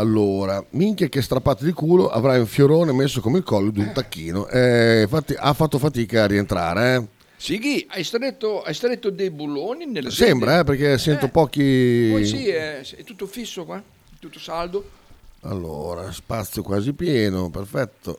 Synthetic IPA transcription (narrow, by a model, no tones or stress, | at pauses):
alːoːɾamiŋkekest̪ɾapːaːt̪od̪ikuːloʔa̰vɾajũɱfjoɾoːnemesːokomeilkɔlːod̪unt̪akːiːnoʔɛfat̪ːiʔafːat̪ːofat̪iːkaːrːient̪ɾa̰ːɾeɛ | sikiajst̪ɾet̪ːoajst̪ɾet̪ːod̪ejbulːoːninelsɛmbbɾaɛpeɾk̟esɛnt̪opɔːk̟isiɛɛt̪ːut̪ːofisːokwa | t̪ːut̪ːosald̪oa̰lːo̰ːɾa̰spat̪sːjokwaːzipjɛːnoperfɛt̪ːo̰